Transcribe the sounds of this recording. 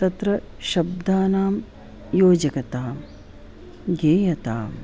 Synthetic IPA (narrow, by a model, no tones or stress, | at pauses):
t̪ɐt̪ɾɐ | ʃɐb̚d̪ʱaːnaːm | joːd͡ʒɐkɐt̪aːm | ɡeːjɐt̪aːm